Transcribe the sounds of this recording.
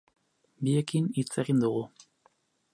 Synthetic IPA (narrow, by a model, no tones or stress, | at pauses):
biekinit͡se̞ɣind̪uɣu